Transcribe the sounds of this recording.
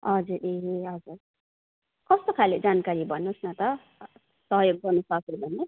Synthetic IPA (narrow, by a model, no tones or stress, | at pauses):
ʌd͡zuɾeɦeɦʌd͡zur | kʌst̪okʰaled͡zankaɾibʱʌnːusnʌt̪ʌ | sʌɦʌjoɡ̚bʌnusʌkebʱʌnːe